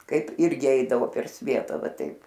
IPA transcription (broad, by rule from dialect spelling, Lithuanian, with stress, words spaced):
ˈkɐɪp ˈɪrʲɡʲɪ ˈɛɪdɐʋoː pʲɛr ˈsʲʋʲiɛtɐ ˈʋɐ ˈtɐɪp